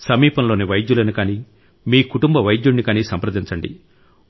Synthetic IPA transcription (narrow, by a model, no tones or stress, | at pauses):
sɐmiːpɐmlo̞ːniʋɐjd̪julɐnukaːniː | miːkuʈumbɐʋɐjd̪juɳːikaːniːsɐmpɾɐd̪iɲt͡ʃɐɳɖḭ